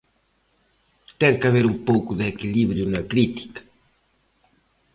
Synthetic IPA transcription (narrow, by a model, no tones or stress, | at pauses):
t̪ɛŋkaβeɾumpowkʊðɪekiliβɾjʊnɐkɾit̪i̥kɐ̥